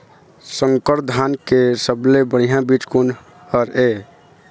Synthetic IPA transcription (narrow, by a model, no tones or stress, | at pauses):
səŋkəɾd̪ʱankesəblebəɽ̤ijãbit͡ʃkun | əɾe